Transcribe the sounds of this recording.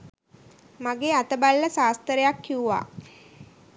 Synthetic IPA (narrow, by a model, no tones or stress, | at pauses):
maɡeːat̪əbalːəsaːst̪əɾejakːiuʋa̰ː